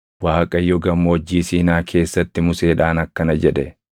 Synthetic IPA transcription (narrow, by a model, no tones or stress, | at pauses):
waːkʼɐjːɔɡɐmːoːd͡ʒːiːsiːnaːkʰe̞ːsːɐt̪ːɪmʊseːᶑaːnɐkːɐnɐd͡ʒɛᶑɛ